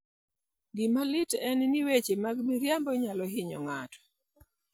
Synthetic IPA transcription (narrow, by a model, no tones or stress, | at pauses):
ɡɪmalɪtɛnniwet͡ʃemaɡmiɾjambɔɲalɔɦɪɲɔ̰ŋatʰɔ̥